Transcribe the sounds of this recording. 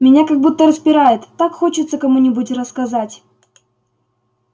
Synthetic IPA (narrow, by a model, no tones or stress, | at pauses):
mʲɪnʲakɐɡ̚but̪ːəɾəspʲɪɾajɪt̪ːakxo̞t͡ɕɪt̪səkɐmunʲɪbutʲrəskɐzatʲ